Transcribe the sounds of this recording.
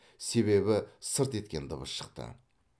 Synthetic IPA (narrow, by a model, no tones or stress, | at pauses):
se̞βe̞bɪsəɾt̪e̞t̪̚kʲe̞nd̪əβəsʃə̥q̚t̪ə̰